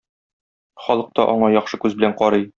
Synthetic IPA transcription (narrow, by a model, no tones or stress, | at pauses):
χɒlˠɤ̆q̚t̪ɑʔɒɴɑjɒχʃɤkʉzbɘlæɴqɒɾɤj